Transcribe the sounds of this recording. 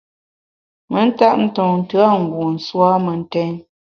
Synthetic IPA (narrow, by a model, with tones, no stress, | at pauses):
mə˦n̩˦ta˦ʔn̩˦tɔ˨ŋn̩˨tɯ˦a˦˨ŋ̩˨ɡu˨n̩˨swa˦mə˨n̩˦tɛ˦n